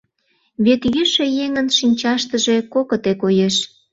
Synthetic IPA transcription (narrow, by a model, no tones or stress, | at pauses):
βet̪jyʃĕjeŋə̆nʃinʲt͡ɕɑʃt̪əʒekokə̆t̪ekojeʃ